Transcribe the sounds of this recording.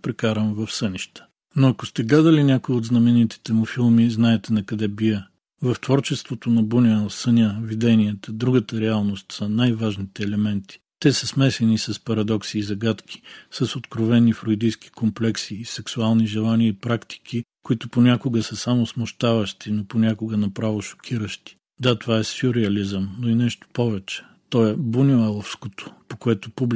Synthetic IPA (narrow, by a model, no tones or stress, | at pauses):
pɾɛkaɾəmvɐfsəniʃt̪ə̥ | noɐkost̪ɛɡlad̪əlinʲakʊiod̪znɐmɛnit̪i̥t̪ɛmʊfilˠmiznaɛt̪ɛnɐkɐd̪ɛbiə | vɐft̪vɔɾt͡ʃɛst̪vot̪onɐbunʲəsənʲavid̪ɛniət̪əd̪ɾuɡət̪əɾɛalˠnost̪sənajvaʒnit̪ɛːlɛmɛnt̪i̥t̪ɛsəsmɛsɛnisɐspɐɾɐd̪ɔksiːzɐɡat̪kʰʲi̥sɐsot̪kɾovɛnːifɾoid̪ijski̥komplɛksiːsɛksualˠniʒɛlˠaniəipɾakt̪i̥kʰikoit̪ʊponʲakʊɡəsəsamosmʊʃt̪avəʃt̪inoponʲakʊɡənɐpɾavoʃo̥kʲʰiɾəʃt̪i̥ | d̪at̪ovaɛsiʊɾɛɐlizəmnoinɛʃt̪o̥pɔvɛt͡ʃɛ̥ | t̪ɔɛbunʲoalˠofskot̪o̥pokoɛt̪ʊpubl